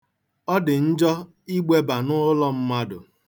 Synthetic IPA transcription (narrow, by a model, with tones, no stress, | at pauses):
ɔ˦dɪ˨n̩˦d͡ʒɔ˦ | i˦ɡ͡be˦ba˨nʊ˦lɔ˦m̩˦ma˦dʊ̰˨